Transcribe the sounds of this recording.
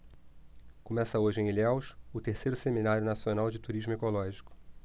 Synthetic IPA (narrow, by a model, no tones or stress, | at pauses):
komɛsɐoʒɪẽj̃lawʃʊt̪eɾsejɾʊseminaɾjʊnasionawd͡ʒɪt̪uɾiʒmʊekolɔʒikʊ̥